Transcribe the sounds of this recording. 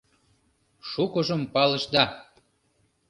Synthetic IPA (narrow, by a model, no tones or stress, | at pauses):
ʃukə̆ʒəmpɑləʃd̪ɑ